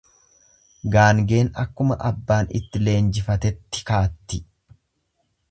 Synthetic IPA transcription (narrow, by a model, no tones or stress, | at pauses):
ɡaːŋɡe̞ːnɐkːʊmɐʔɐbːaːnɪ̰t̪ːɪle̞ːnd͡ʒɪfɐt̪ɛt̪ːɪ̥kaːt̪ːɪ